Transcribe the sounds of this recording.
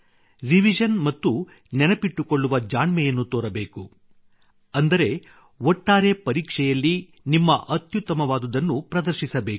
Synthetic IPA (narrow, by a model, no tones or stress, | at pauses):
ɾiʋid͡ʒɐnmɐt̪ːu | nɛnɐpiʈːuko̞ɭːuʋɐd͡ʒaːɳmɛjɐnːut̪oːɾɐbe̞ːku | ɐnd̪ɐɾe̞ | ɔʈːaːɾe̞pɐɾiːkʂɛjɐlːi | nimːɐʔɐt̪jut̪ːɐmɐʋaːd̪ud̪ɐnːupɾɐd̪ɐɾʃisɐbeːk